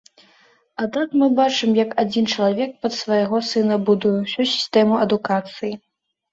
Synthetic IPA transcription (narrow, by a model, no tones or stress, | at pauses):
ad̪nat̪mɨbat͡ʂɨmjɐkad͡zʲint͡ʂɐlˠavʲɛk̚pɐt̪svɐjɣɔsɨnɐbud̪ujusʲusʲi̥st̪ɛmuɐd̪ukat̪sɨji